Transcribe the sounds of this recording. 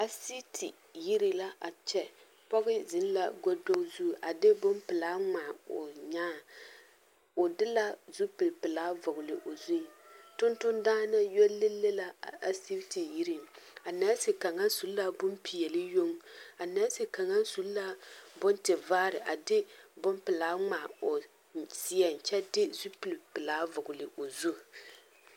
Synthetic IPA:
a˦si˦tʰi˨ | ji˦ɾi˨la˦ʔa˨t͡ʃɛ˦ | pɔ˦ɣɪ˦zɪ˨˦n˦la̰˦ɡo˦do˦zu˦˨ʔa˨dɪ˦bʊ˦mpɪ˨laː˦ŋ͡maː˨o̰˨ɲaː˦ | o˨dɪ˦la˦zu˦pɨ˨lpɨ˨laː˦vʊ˨ɡʊ˨lɪ˨ʔo˨zu˦˨tʊ˦ntʊ˦ndaː˦na˦jɔ˦lːɪ˦lːɨ˦la˦˨a˨si˦bti˨ji˦ɾɨ˦ma˨na˦sɨ˨ka˨ŋa˦n˦su˨lla˦bʊ˦mpi˨jɛ˨lɨ˦jo˦ŋa˨na˦si˨ka˨ŋa˦nsu˨˦lla˦bʊ˦ntɪ˨vaː˦ɾɪ˨ʔa˨dɪ˦bʊ˦mpɪ˨laː˨˦ŋ͡maː˨o˨ | si˦jɛ˨n˨t͡ʃɛ˦dɪ˦zu˦pɨ˨lpɨ˨laː˨˦vʊ˨ɡʊ˨lɪ˨ʔo˨zu˦˨

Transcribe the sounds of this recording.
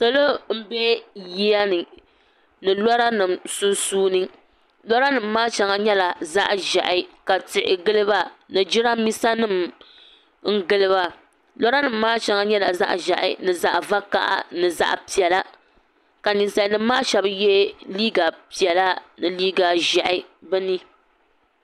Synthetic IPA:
so˦lo˦m̩˦be˦ji˦a˦nɨ˨ | nɨ˨lɔ˦ɾa˦nɨ˨msʊ˦suː˦nɨ˦ | lɔ˦ɾa˦nɨ˨mːaː˦t͡ʃa˨ŋa˨ɲɛ˦la˨za˦ʔʒɛ̰˨ʔɪ˨ka˨tɪ˨ʔɪ̰˨ɡɨ˦lɨ˦ba˦nɨ˨d͡ʒɪ˦ɾa˦mi˦sa˦nɨ˦˨m | ŋ̩˦ɡɨ˦lɨ˦ba˦ | lɔ˦ɾa˦nɨ˨mːaː˦t͡ʃa˨˦ŋa˦ɲɛ˦la˨za̰˦ʔʒa˨ʔɪ̰˨nɨ˨za˨ʔva˦ka̰˦ʔa̰˦nɨ˨za̰˨ʔpi˨ɛ˨la˦ | ka˨ni˨nsa˨nɨ˨mː˦aː˦ʃɛ˨˦bjɛ˦liː˦ɡa˨pi˨ɛ˨la˦nɨ˨liː˦ɡa˨ʒɛ˨ʔɪ˨bɨ˦ni˦

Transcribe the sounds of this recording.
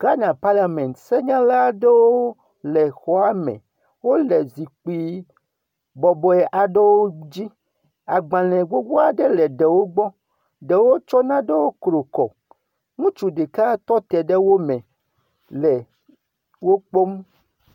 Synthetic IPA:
ɡ̥a˦nã˨pa˦la˨mɛ̃˨nt̪sɛ˦ɲã˦la˦ɖɛ˦wo˦o˦ | lɛ˨xɔ˨a˦mɛ̰̃˨ | wo˦lɛ˨zi˨k͡pi˦ | bɔ˨bɔ˨˦ɛ˨ʔa˨ɖɛ˦wo˦d͡ʑi˦ | a˨ɡ͡bã˨lɛ̃˨ɡo˦ɡ͡bo˦a˨ɖɛ˦lɛ˨ɖɛ˨wo˦ɡ͡bɔ˦ | ɖɛ˨wo˦t͡ʃɔ˦nã˦ɖe˦wo˦kɾo˨kɔ̰˨ | ŋũ˦t͡ʃu˨ɖe˨ka˦t̪ɔ˦t̪ɛ˨ɖe˦wo˦mɛ̃˨ | lɛ˨ | wo˦k͡po˦m

